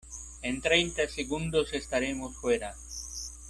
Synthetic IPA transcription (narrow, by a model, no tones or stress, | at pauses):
ẽnt̪ɾejnt̪aseɣũnd̪osest̪aɾemosfweɾa